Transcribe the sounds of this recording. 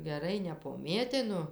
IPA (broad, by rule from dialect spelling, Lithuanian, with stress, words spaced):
ɡʲɛˈrɐɪ nʲɛpoːˈmʲeːtʲɪnʊ